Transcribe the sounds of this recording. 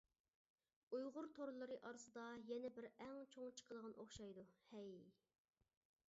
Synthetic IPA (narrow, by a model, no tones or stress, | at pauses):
ujʁʊɾt̪ʰoɾlˠɨɾɨʔɑɾɨsɨd̪ɑjɛnɛbɪɾɛŋt͡ʃʰoŋt͡ʃʰə̥qʰəlˠəʁɑnʔoχʃɑjd̪uhɛj